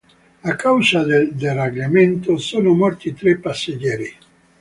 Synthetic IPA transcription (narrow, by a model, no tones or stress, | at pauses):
akawsad̪eld̪ereɡlement̪osoːnomɔrt̪it̪ɾepːasːed͡ʒɛːɾi